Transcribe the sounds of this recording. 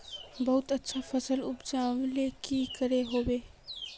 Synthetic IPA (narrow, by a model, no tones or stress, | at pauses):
bəɦut̪ətːʃʰapʰəsəlupd͡ʒaʋlekikəɾeɦobe